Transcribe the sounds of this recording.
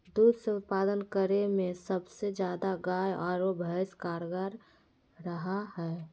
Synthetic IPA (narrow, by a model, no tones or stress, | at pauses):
d̪uːd̪sət̪̚paːd̪ənkəɾemẽsəbsed͡ʒjaːd̪aɡaːjɔːɾobʱəɪskaːɾɡaɾ | ɾəɦaɦɛː